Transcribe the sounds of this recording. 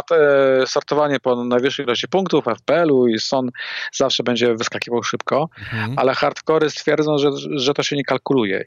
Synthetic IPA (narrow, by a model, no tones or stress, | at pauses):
t̪ɛsɔɾt̪ɔvaɲɛpɔnajvɘʂɛjlɔɕt͡ɕipuŋkt̪ufɛfpɛɛluisɔnzafʂɛbɛɲd͡ʑɛvɘskakʲivawʂɘpkɔalɛxaɾt̪kɔɾɘst̪fʲjɛɾd̪zɔ̃w̃ʐɛʐɛt̪ɔɕɛɲɛkalkulujɛ̰